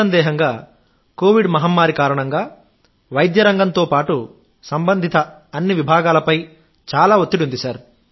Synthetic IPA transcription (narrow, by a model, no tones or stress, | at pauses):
ɐnd̪ɛːɦɐŋɡaː | ko̞ːʋiɖmɐɦamːaːɾikaːɾɐɳɐŋɡaː | ʋɐjd̪jɐɾɐŋɡɐnt̪oːpaːʈu | sɐmbɐnd̪ʱit̪ɐːnːiʋibʱaːɡaːlɐpɐj | t͡ʃaːlaːot̪ːiʈund̪isɐɾ